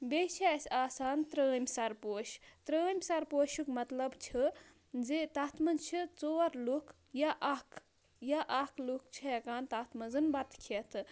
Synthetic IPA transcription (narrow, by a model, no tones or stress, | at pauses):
bet͡ʃʰisʲaːsaːnt̪ɾəːmʲsɐɾpoːʃt̪ɾəːmʲsɐɾpoːʃukmɐt̪lɐbt͡ʃʰi | d͡zet̪aːt̪ʰmɐzt͡ʃʰit͡soːɐɾluk | jaʔakʰ | jaʔakʰlukt͡ʃʰijɐkaːnt̪aːt̪ʰmɐzɨnbɐt̪kʰet̪ʰ